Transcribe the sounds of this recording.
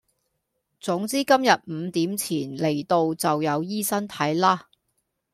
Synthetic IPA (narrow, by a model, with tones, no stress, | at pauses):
t͡sʊ˨˥ŋt͡siː˥kɐ˥mjɐ˨˩t̚m̩˨˧t̪iː˨˥mt͡sʰiː˨˩nle˨˩jt̪o˧wt͡sɐ˨wjɐ˨˧wjiː˥sɐ˥nt̪ʰɐ˨˥jlaː˥